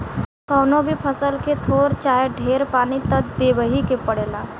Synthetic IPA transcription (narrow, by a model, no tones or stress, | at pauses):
kɔːnõbʱipʰəsəlket̪ʰoːɾt͡ʃaːjeɖʱeːɾpaːnit̪ət̪̚d̪eːʋəɦikepəɽeːlaː